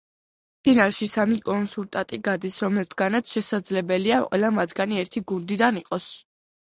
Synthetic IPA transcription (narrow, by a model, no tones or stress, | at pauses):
pʰinalˠʃisamikʼɔnsulˠt̪ʼat̪ʼiɡad̪isɾɔmɛlt̪ʰɡanat̪sʰʃɛsad̪zlɛbɛliaqʼwɛ̰lˠamad̪ɡaniɛɾt̪ʰiɡund̪id̪aniqʼɔs